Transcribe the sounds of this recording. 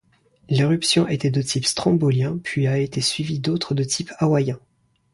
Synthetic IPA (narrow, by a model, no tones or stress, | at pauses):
leʁypsjɔ̃ʔet̪ɛd̪ət̪ʰipst̪χɑ̃boljɛ̃pɥiaet̪esɥivid̪ot̪χəd̪ət̪ʰipawajɛ̃